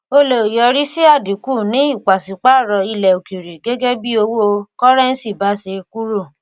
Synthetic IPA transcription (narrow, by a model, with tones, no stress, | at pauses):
o˧lo˨jɔ˨˧˦ɾi˦si˦a˦˨di˨˦ku˦˨nĩ˨˦i˦˨k͡pa˨si˨˦k͡pa˦˨ɾɔ˧i˧lɛ˨o˨ki˨ɾe˨ɡe˦ɡe˦bi˦o˧wo˦˧kɔ˦ɾɛ˦n̩˦si˦˨ba˨˦se˧ku˦ɾo˦˨